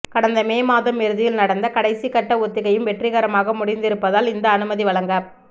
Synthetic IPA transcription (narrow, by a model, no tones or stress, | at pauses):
kɐɽɐnd̪ɐmeːmaːðɐmɛɾɯðɪjɪlnɐɽɐnd̪ɐkɐɽɐɪsikɐʈːɐɔt̪ːɪɣɐjɯmʋɛʈrɪɣɐɾɐmaːɣɐmʊɽɪnd̪ɪɾɯpːɐðaːlɪnd̪ɐːnɯmɐðiʋɐɭɐŋɡɐ